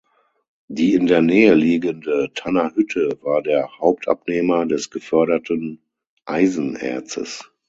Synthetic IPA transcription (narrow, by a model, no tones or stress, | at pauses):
diːɪndeːɐnɛːəliːɡəndətʰanahʏtʰəvaːɐdeːɐhaʊp̚tʔa̰pneːmɐdɛsɡ̥əfœɐɾɐtən | ʔaɪzn̩ʔɛ̰ɐt͡sə̰s